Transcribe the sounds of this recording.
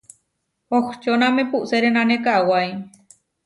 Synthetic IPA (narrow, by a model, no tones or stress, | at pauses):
oht͡ʃonãmepuʔseɾenãnẽkaʔwaj